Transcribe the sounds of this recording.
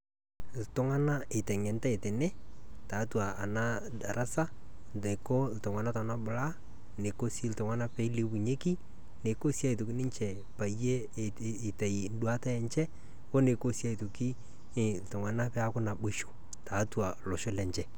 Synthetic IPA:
ltʊ˦ŋa˦na˦ɪ˨tɛ˨ŋɛ˨nta˦ɪ˨tɛ˨nɛ˦ta˨˦twaː˨na˦da˨ɾa˦sa˦ | ne˨ko˦ltʊ˨ŋa˨na˦ta˨na˦bʊ˨la˦ | ne˨ko˦si˦ltʊ˨ŋa˦na˦pɛ˨˦le˦bu˨ɲe˦ki˦ | ne˨ko˦sja˦i˨tʊ˨kɪ˦nɪ˦ɲt͡ʃɛ˨ | pa˨je˦ | ɪ˨tɛ˨jn˦du˦a˦tɛ˦ɛ˦ɲt͡ʃɛ˦ | wo˦ne˨ko˦sja˦i˨to˨ki˦˨ | ltʊ˨ŋa˨na˦pɛ˦a˦kʊ˦na˨bʊ˦ʃo̥˨ | ta˨˦twa˨lɔ˨ʃʊ˦lɛ˨ɲt͡ʃɛ˦

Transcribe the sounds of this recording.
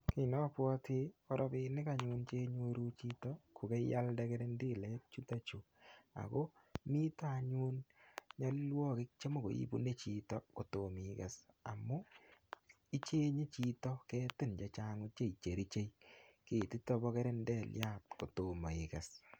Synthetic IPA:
kɪ˨nɔ˦pwɔ˦tʰɪ˦ɔ˦ɾɔ˦bɪ˦nɪ˦ka˨ɲu˦nt͡ʃe˦ɲo˦ɾu˦t͡ʃi˦tɔ˦kʰʊ˨kɛ˦ja˦lda˦kɛ˦ɾe˦ndi˦lɛ˦t͡ʃu˦ta˦t͡ʃu˨ | a̰˨ko˦mi˦ta˦˨ɲu˦nɲa˦llwɔ˦kɪ˦k̚t͡ʃe˦mo˦˨ko̰˨ḭ˦bṵ˦ne˦t͡ʃi˦tɔ˦ko˨to˨mika˨sa̰˨mʊ˦ | i˦t͡ʃe˦ɲe˦t͡ʃi˦tɔ˦kɛː˦tɪ˦˨nd͡ʒa˨t͡ʃa˦ŋʊ˦t͡ʃe˦˨i˨t͡ʃe˨ɾi˦t͡ʃe˦jke˨ti˦tɔ˦bɔ˦kɛ˦ɾe˦ndɛ˨lja˦˨t̚ko˨to˨ma˨ɪ˨ka˨s

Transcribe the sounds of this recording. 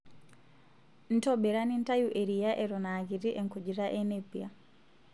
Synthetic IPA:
n̩˦tɔbe˨ɾa˦ni˦n˦ta˦juʔe˨ɾija˦ʔe˨ɾɔ˨na˨ki˨ɾi˦ʔe˨ŋku˨d͡ʒi˨ɾa˦ʔe˦nepia˨

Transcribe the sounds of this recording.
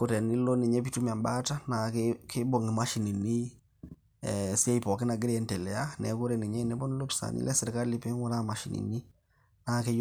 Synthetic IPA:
ko˨tɛ˨ni˦lo˦ne˨ɲɛ˦pi˦tu˦m˨a˨mba˦ta˦na˨kkʰɪ˦bɔ˨ŋe˨ma˦ʃi˨ni˨ni˦ | si˦a˦i˨pɔ˨ke˦na˨ɡe˦ɾɛ˦ntɛ˨lɛ˨a˦nɛ̰˨˦ko˦ɾɛ˨ni˨ɲɛ˦ne˦bɔ˦ni˦lo˦pi̥˨sa̰˨nḭ˦lʔɛ˦se˨ɾeka˦li˦pe˦ŋwɔ˦ɾa˦ma˨ʃi˨nḭ˨ni˦ | na˨ke˦j

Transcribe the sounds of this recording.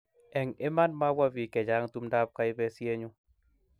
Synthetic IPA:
ɛ˨ŋɪ˦ma˦nma˦wa˦vi˨kɛ˨d͡ʒa˨˦ŋt̪u˦mda˦p̚ka˨˦ɪ˦bɛ˦sje˦ɲo˦

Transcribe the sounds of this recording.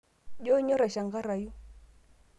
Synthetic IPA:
ʄɔ˦ɲɔ˦ɾa˨ʃa˨ŋɡa˦ɾa˨ju˦

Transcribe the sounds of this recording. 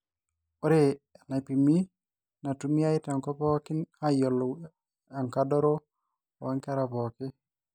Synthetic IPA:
o˦ɾe˦˨na˨pi˨mi˦ | na˨tu˨˦mi˦a˦ɪ˦ta˨ŋkɔ˦pɔ˦kɪ˦na˦jɔ˨l | a˨ŋka˦dɔ˦ɾo˦˨ | a˦ŋkɛ˦ɾa˨pɔ˨kɪ˦

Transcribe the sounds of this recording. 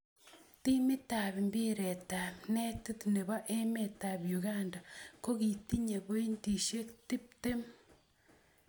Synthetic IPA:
ti˦mi˦ta˨pi˨mbi˦ɾe˨ta˨pnɛ˦ti˦t̪ne˨βa˦ʔe˦me˨ta˨bju˨ɣa˦nda˨ko˦ki˨ti˦ɲe˨bo˦i˦nti˨ʃe˦kti˦p̚te˦m

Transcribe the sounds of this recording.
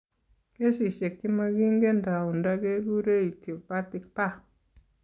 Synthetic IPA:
ke˦si˨ʃe˨kːi˦ma˦ɡi˦ŋɡe˦nda˨u˨nda˦ɡe˦ɡu˦ɾe˦i˨ti˨pa˦ti˨k̚pa˦˨

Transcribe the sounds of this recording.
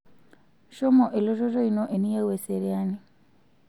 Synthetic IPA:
ʃo˦moʔe˨lo˦ʒo˦ʒo˦inoʔe˨ni˦je˦we˨seɾea˦ni

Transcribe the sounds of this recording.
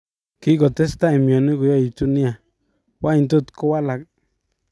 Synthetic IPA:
ki˦ɡo˨t̪e˦st̪a˦˨i˨mjo˨ni˦ɡo˨jo˦i˨t̪u˦ni˦a˨ | wa˦jnt̪̬u˦˨t̪ko˦wa˦la˨k

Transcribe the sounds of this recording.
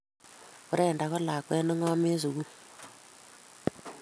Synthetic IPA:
kʊ˦ɾe˨nda˨kɔ˦la˨kwɛ˦nə˦ŋa˦me˦s̬u˨ku˦

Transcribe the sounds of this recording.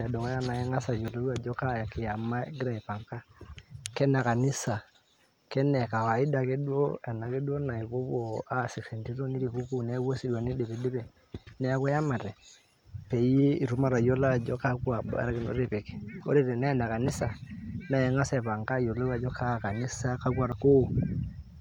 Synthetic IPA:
nɛ˨dɔ˨ŋɔ˦ja˦na˨ɛ˦ŋa˦sa˨jo˨lo˦i˦a˨d͡ʒɔ˦ka˦˨ki˨ja˨ma˦ɡi˦ɾa˦ɛ˨pa˨ŋka˦kɛ˦na˨ka˨ni˦sa˨ | kɛ˦nɛ˨ka˨wa˨i˦da˨ke˦du˦o̰˦ɛ˨na˨ke˦du˦o˦na˨i˨βo˦βo˨a˦˨si˨kse˨nti˦ɾo˦ni˦ɾi˨ku˦ku˦nɛ˨˦wo˦si˦dwa˨ni˦de˨βe˨de˦bɛ˨ | nɛ˦a˦ka˦ja˦ma˨ɾɛ˨ | pe˨je˦i˨ɾu˦ma˦˨ɾa˨jo˦la˦˨d͡ʒɔ˦ka˦kwa˨ba̰˨ɾkno̰˨˦ɾe˨pe˨ke̥˨ko̰˦ɾe˦˨ɾe˨na˦˨na˨ka˨ni˦sa˨na˨ɛ˨ŋa˦sɛ˨pa˨ŋka˦˨jo˨lo˦a˨d͡ʒɔ˦kʰa˦˨ka˨ni˦sa˦ka˦kwa˨ɾko˦˨

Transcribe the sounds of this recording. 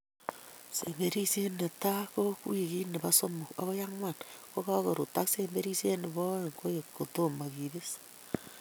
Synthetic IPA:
se˨mbe˦ɾi˦se˦ne˨ta˦kokwi˨ki˦ne˨βa˦so˦mo˨a̰˦βo˦ja˦ŋwa˨nko˦ka˦ko˨ɾo˨ta˦kse˦mbe˦ɾi˦se˦ne˨βo˦e˨ŋko˦je˨ko˨to˦ma˨kiβe˦s

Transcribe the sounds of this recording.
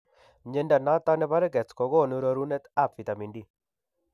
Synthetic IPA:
ɲe˦nda˨na˦t̪a˦nɛ˦pa˦ɾɛ˦ɡɛ˨t͡skɔ˨ɡɔ˦˨nu˦ɾo˦ɾu˦nɛ˦t̪a˦˨pfi˨t̪a˨mi˨ndi˦˨

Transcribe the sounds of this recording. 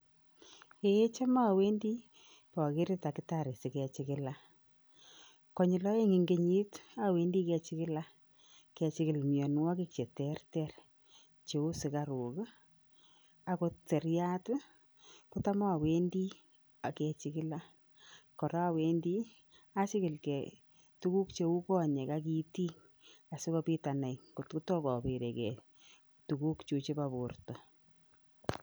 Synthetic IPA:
ke˨je˦t͡ʃa˦ma˦˨we˦ndi˦ | pa˨ke˦ɾɪ˦ta˨kɪ˨ta˨ɾe˨sɪ˨kɛ˨t͡ʃɪ˦kɪ˦la˦ | kɔ˦ɲɪ˨lɔ˦e˦ŋi˨ŋɡe˦ɲi˦ta˦we˦ndi˦kɛ˧t͡ʃɪ˦kɪ˦la˦ | kɛ˧t͡ʃɪ˨kɪ˨lmjɔ˨n˦wɔ˦ki˦k̚t͡ʃe˨tɛ˦rtɛ˦r | t͡ʃe˨u˦sɪ˨ka˨ɾu˨k | a˦ko˧˦te˨rja˦t | ku˦ta˦ma˦a˨we˦ndi˦ | a˨ke˨t͡ʃɪkɪ˦la˦ | kɔ˨ɾa˦we˦ndi˦ | a˦t͡ʃi˦kɪ˨lke˨ | tu˦ku˦kt͡ʃe˦wu˦kɔ˦˨ɲe˨ka˦k̬i˦ti˦ŋ | a˨sɪ˦kɔ˦pi˦ta˨na˨ikutku˦tɔ˦kɔ˨pi˨ɾe˨kɛ˨ | tu˨ku˦kt͡ʃu˨˧t͡ʃe˦pa˨bu˨rtɔ˨

